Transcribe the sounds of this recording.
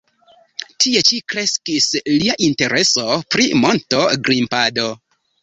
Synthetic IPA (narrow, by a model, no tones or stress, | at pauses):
tie̞t͡ʃikɾe̞skisliaʔinte̞ɾʔe̞so̞pɾimo̞nto̞ɡɾimpado̞